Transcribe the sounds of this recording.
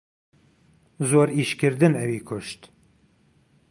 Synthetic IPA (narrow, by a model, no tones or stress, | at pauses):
zoːɾiːʃkɨɾd̪ɨnɛwiːkʰʊʃt̪